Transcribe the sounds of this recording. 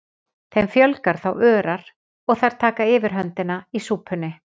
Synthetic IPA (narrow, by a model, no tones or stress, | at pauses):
θejmfjœlkaɾ̥θawœːɾaɾ̥ | ɔɣθaɾ̥t̪ʰaːkaɪːvɪɾ̥ɦœnt̪ɪnaisuːpʰʏnːɪ